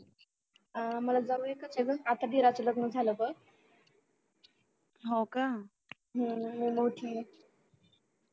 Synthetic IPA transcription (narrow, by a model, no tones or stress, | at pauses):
məlad͡zauekət͡seɡəat̪ʰad̪iɾat͡sələɡnəd͡zʱaləbək | ɦoka | ɦəmimoʈʰiː